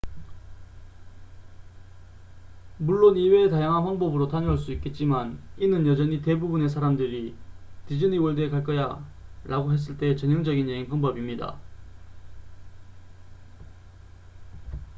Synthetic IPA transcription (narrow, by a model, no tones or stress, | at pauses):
muɭːoniwe̞tajaŋɦanɸʌnbʌbɯɾotaɲʌɦaɭs̬͈uik͈e̞t̚t͡ɕ͈imaninɯnjʌd͡ʑʌɲite̞bubune̞sʰaɾamdɯɾitid͡ʑɯɲiwʌɭde̞kaɭk͈ʌja | ɾʔaɡoɦe̞s̬͈ɯɭt͈e̞t͡ɕʌɲjʌŋd͡ʑʌɡinjeinkʰʌŋbʌbimɲida̰